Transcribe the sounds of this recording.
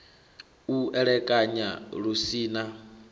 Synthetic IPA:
uɛɺɛkʼaɲaɺusiːna

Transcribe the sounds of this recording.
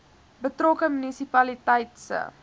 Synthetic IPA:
bətrɔkəmynisipɐlitɛjtsə̰

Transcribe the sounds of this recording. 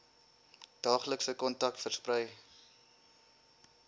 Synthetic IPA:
d̥ɑːχləksəkɔntɐk̚tfərsprəj

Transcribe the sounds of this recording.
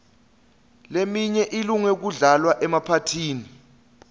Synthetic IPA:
lemiɲɛʔiluŋɛk̬uɮalwaʔɛmapʰatʰiːni

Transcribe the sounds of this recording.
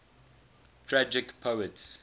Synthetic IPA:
tʰɹad͡ʒɪkpʰoʊəts

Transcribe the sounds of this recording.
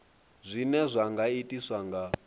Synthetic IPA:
zʷinɛzʷaŋɡaitʼiswaŋɡa

